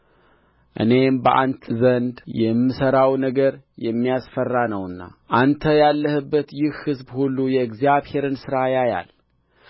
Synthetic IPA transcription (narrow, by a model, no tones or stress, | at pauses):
ʔɨ̰ne̞mbəʔa̰nt̪ʰʼzənd̪jɛmːɨsəɾawnəɡəɾjɛmːijasfərːanəwɨnːa̰ʔant̪ʰəjalːəhɨbːət̪jɪhhɨzbhulːujɛɨɡzijaβhe̞ɾɨnsɨɾajaja̰l